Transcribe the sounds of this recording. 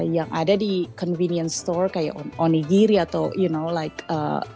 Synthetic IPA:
jaŋʔa̰dadikɔnviniənst̪ɔrkaja̰ʔɔnɔnːiɡiɾiaːt̪awjunowlajkə̰

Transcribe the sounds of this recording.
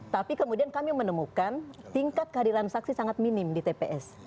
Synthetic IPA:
t̪apikəmudiankamimənəmukant̪iŋkat̪̚kəɦadiɾansaksisaŋat̪̚minɪmdit̪epeʔɛs

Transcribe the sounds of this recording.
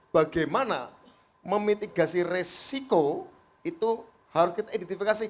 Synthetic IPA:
b̥a̤ɡamana̰ | məmit̪iɡasiressiko | it̪u | haɾʊskit̪aidɛnt̪ifikasi

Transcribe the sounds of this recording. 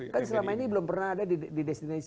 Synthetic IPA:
kansəlamainibəlʊmpərnahadadididɛst̪inas

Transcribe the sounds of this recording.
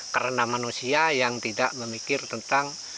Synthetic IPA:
kəɾənamanusiajaŋt̪idaʔməmikɪrt̪ənt̪aŋ

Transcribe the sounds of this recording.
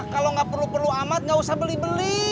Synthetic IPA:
kaloŋɡaʔpərlupərluamat̪̚ŋɡausahbəlɪhbəli

